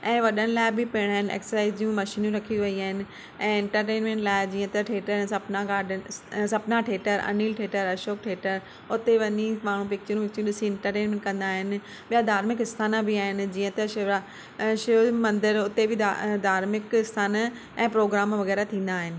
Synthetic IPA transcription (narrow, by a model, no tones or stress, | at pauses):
ɛ̃ːʋɐɗənɪ̆laːɪbɪpeːɽ̃aːɦɪ̃nɪ̆ḛːksəsaːɪziũmɐʃiːnũɾɐkʰiʋɐiaːɦɪnɪ̆ | ɛ̃ːɛ̃ɳʈəɾʈeːnmẽːɳʈlaːɪd͡ʑĩːə̃t̪ɐʈʰeːʈəɾɛ̃ːsɐpnaɡaːɾɖəsɐpnaʈʰeːʈəɾɐ̰niːlʈʰeːʈəɾɐʃoːkʈʰeːʈəɾ | ʊt̪eʋɐɲimaːɽ̤ũpɪk̚t͡ɕəɾũpɪk̚t͡ɕũɗɪsiɪ̃ɳʈəɾʈeːnmẽːɳʈkɐ̃nd̪aːɦɪnɪ̆ | ɓijad̪ʱaːɾmɪkɪst̪ʰaːnabʱɪaːɦɪnɪ̆d͡ʑiːə̃t̪ɐʃa | ʃɪmɐ̃nd̪ɪɾʊt̪ebʱɪad̪ʱaːɾmɪkɪst̪ʰaːn | ɛ̃ːpɾoːɡɾaːmʋɐɣɛːɾat̪ʰĩːn̆d̪aːɦɪnɪ̆